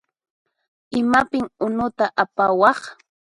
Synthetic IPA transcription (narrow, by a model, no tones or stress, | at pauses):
ɪmapɪŋʊnʊt̪aʔapawɑχ